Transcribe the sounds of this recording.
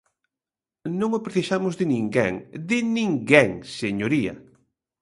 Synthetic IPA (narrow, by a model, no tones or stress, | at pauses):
nõŋopɾeθisamʊzðɪnĩŋɡɛ̰ŋd̪ɪnĩŋɡɛŋseɲoɾiɐ̰